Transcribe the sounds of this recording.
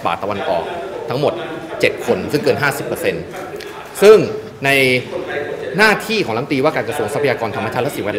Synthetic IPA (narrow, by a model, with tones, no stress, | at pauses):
baː˨˩t̪ːa˧wa˧nʔɔ̰ː˨˩k̚t̪ʰa˦˥ŋmo˨˩t̪̚t͡ɕe˨˩t̪̚kʰo˧nsɯ˥˩ŋkɤː˧nɦaː˥˩si˨˩pːɤː˧se˧n | sɯ˥˩ŋ | na˧j | naː˥˩t̪ʰiː˥˩kʰɔː˩˦la˦˥mt̪iː˧waː˥˩kaː˧nkɾa˧su˧əŋsa˦pʰa˧jaː˧kɔː˧nt̪ʰa˧mːa˧t͡ɕʰaː˥˩lɛ˦˥siː˨˩˦wɛ˦˥